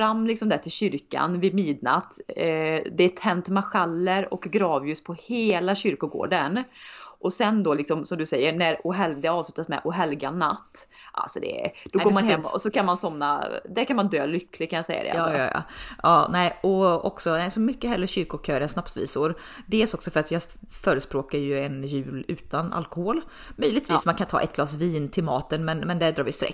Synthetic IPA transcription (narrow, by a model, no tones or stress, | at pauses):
ɾamːlɪksɔmd̪æʈʰɪlɕʏɾka̰nvɪmiːd̪na̰t̪ː | d̪ɛːt̪ʰːɛnt̪maɧalːəɾɔ̰kɡɾɑːvjʉspʰɔheːlaɕʏɾkʊɡo̰ːɖənʔɔsɛnd̪ɔːlɪksɔmsɔmd̪ɵsɛjːəɳæɾʊɦɛld̪ɛɑːvslʉːt̪asmɛ̰ʔʊɦɛlɡanːa̰t̪ː | ʔa̰lsɔd̪ɛ̰d̪̥ɔɡɡoːɾmanhɛmːɔ̰sɔkʰanmansɔmnːa̰d̪æɾkʰanmand̪øːlʏkːlɪɡkʰanjasɛ̰jːa̰d̪ɛ̰aɑːɑ̰jɑ̰ʔɑːnɛɪɔɔ̰ksɔnɛɪsɔmʏkːəɦɛlːɾəɕʏɾkʊkʰøːɾɛnsnapsvḭːsʊɾ | d̪eːlsɔksɔfœɾat̪jɑː | fœːɾəspɾoːkaɾjɵɛnjʉ̟ːlʉ̟ːt̪ana̰lkʊɔhoːl | mœjlɪɡt̪viːsmankʰant̪ʰɑ̰ːʔɛ̰t̪ɡlɑːs̬viːnt̪ʰɪlmɑːt̪ənmɛnmɛnd̪ɛd̪ɾɑːɾvɪst̪ɾʔɛ̰kː